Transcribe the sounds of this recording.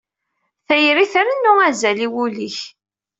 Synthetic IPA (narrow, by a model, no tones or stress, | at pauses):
θæjɾiθəɾənːʊæzæliwuliç